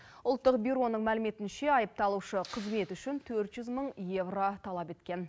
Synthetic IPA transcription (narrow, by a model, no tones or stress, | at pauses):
ʊlˠt̪ːəq̚bʲiɾo̞nəɴmælɪme̞t̪ɪnʃe̞ɑjəp̚t̪ɑlˠuʃəqʰəzme̞t̪ʏʃɪnt̪ʰɵɾt̪ʒ̥ʏzməɴje̞vro̞t̪ʰɑlˠɑpe̞t̪kʲe̞n